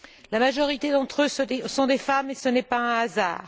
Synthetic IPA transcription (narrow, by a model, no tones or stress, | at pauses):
lamaʒɔʁit̪ed̪ɑ̃t̪χøsesɔ̃d̪efamesənɛpaɛ̃aza̰ːʁ